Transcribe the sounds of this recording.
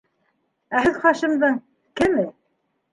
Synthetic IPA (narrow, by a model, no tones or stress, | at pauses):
æɦɘðχɑʃɤ̆md̪ɤɴ | kɘmɘ